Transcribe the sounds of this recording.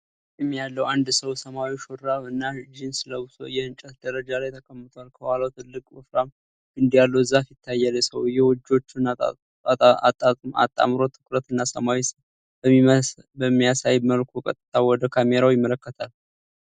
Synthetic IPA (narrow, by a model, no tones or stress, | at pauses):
jɛmːijalːəwand̪səwsəmawiʃoɾaβɨnːad͡ʒinsləβso̞̰jɛhɨnt͡ʃʼət̪d̪̥əɾəd͡ʒalajt̪ʰəkʰəmːɨt̪ʰalkʰəhaləwt̪ʰɨlːɨkʼwɨfɾam | ɨnd̪ijalːəwzːafit̪ʰːajːaləsəwjɛwɔd͡ʒːo̞t͡ʃːun | at̪ʼːama̰t̪ʼːa̰mɾo̞t̪ʰɨ̥kʼɾət̪ɨnːasəmawisə | bəmːijasajməlkʰokʼə̰t̪ʼɨt̪ʰawɔd̪əkʰameɾawjɪmːələkːət̪ʰal